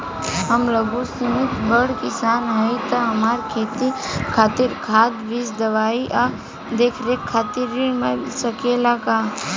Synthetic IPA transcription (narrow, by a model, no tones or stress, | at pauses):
ɦɐmləɡusɪmɪt̪bəɽkɪsaːnɦait̪ɐɦɐmaːɾkʰeːt̪ikʰaːt̪ɪɾkʰaːd̪ʋisd̪ɐʋaːiʔa | d̪eːkʰɾekʰːaːt̪iɾimesəkelakaː